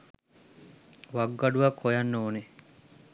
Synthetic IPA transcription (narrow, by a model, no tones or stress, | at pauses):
ʋaɡːaɖuʋakʰːojanːoːne